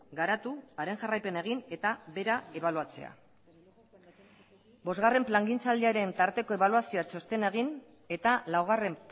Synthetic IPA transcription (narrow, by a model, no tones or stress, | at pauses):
ɡaɾat̪uaɾe̞ŋʝarajpe̞nae̞ɣ̞ine̞t̪aβe̞ɾaeβaluat͡se̞̰a̰ | bo̞zɣare̞mplaŋɡint͡sald̪iaɾe̞nt̪aɾt̪e̞ko̞e̞βaluasioat͡ʃo̞st̪e̞neɣ̞in | e̞t̪alawɣ̞are̞mp